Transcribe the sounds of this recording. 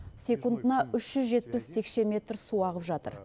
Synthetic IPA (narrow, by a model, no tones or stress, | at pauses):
sʲe̞kund̪ənɑʔʏʃʒ̥ʏzʒe̞t̪̚pɪst̪ʰe̞kʃe̞me̞t̪ɾsuɑʁəpʒɑt̪ə̰ɾ